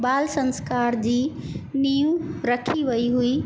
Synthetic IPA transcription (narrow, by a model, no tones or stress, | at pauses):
baːlsə̃nskaːɾd͡ʑiːnijũɾɐkʰiʋɐiɦuiː